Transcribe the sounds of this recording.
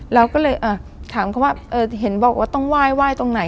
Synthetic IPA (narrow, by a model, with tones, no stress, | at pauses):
ɾa˧wkɔː˥˩lɤː˧jʔaː˧˩t̪ʰaː˩˦mkʰa˧˦waː˥˩ʔɤː˧˩ɦe˩˦nbɔː˨˩k̚waː˥˩t̪ɔ˥˩ŋwaː˥˩jwaː˥˩jt̪o˧ŋna˩˦j